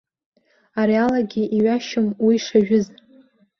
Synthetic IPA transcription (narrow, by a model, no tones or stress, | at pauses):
aɾialaɡʲiʔiɥaʃʊmwiʂaʒᶣʊz